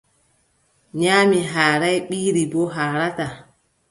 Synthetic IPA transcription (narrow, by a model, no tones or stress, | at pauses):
ɲaːmiɦaːɾajɓiːɾibɔɦaːɾata